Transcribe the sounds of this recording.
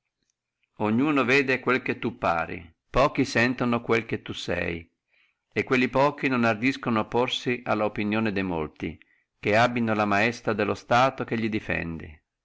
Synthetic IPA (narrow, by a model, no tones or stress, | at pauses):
oɲːuːnoveːd̪ekwelket̪ːupːa̰ːɾḭ | pɔːk̟isɛnt̪onokwelk̟et̪ːusɛ̰j | ekːwelːipɔːk̟inonard̪iskonoapːorsiʔalːaopinjoːned̪ejmo̰lt̪ḭ | k̟eabinolamaɛst̪ɾad̪elːost̪aːt̪ok̟eʎːid̪ifɛ̰nd̪ḭ